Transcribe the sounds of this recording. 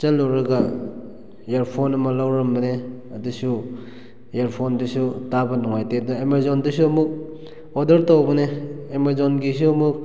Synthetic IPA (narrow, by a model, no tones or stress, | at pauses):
t͡ʃɐlːɔɾɐɡa | eɾpʰonɐmɐlawɾɐmbɐne | ɐdusu | jeɾpʰondisutabɐnuŋajtedɐemazondisuɐmuk̚ | odɐɾtowbɐneemazonɡis̬uɐmuk̚